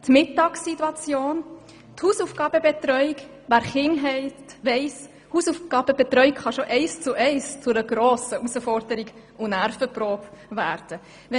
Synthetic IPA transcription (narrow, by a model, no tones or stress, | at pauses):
t̪mɪtːɑːksitːuɑt͡sjoːn | thuːsufɡ̥ɑːb̥əbet̪ɾœʏik | væːɾχɪŋɦɛɪtʋɛɪs | huːsufɡ̥ɑːb̥əbetɾœʏɪkχɑʃoʔɛɪst͡sʊʔɛɪst͡sʊɾəɡɾoːsəusəfɔɾdəɾiɡ | ʊnæɾfəproːbvæːɾd̥ə | ʋɛ